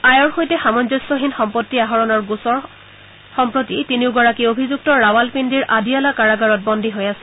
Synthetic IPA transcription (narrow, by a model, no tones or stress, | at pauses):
ajɔɹxojtɛxamɔnzɔjsɔɦinxɔmpotːiaɦɔɹɔnɔɹɡusɔɹ | xɔmpɹotitiniʊɡɔɹakiobʱizuk̚tɔɹawalpindiɹʔadialakaɹaɡaɹɔt̚bɔndʱiɦojasɛ̥